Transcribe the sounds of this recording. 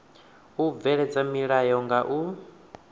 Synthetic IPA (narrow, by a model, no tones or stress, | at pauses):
uvɛɺɛd͡zamiɺajɔŋɡaʔu